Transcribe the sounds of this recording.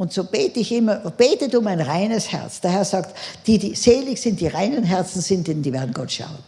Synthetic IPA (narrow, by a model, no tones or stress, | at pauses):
ʊntz̥oːb̥eːtəɪçɪmɐb̥eːtədʊmaɪnʁaɪnəshɛ̰ɐt͡sd̥eːɐhɛɐz̥aːktd̥iːdiːz̥eːlɪçz̥ɪnt̚d̥iːʁaɪnənɦɛɐt͡sn̩z̥ɪntdɛnd̥iːveːɐdn̩ɡ̥ɔtʃa̰ʊən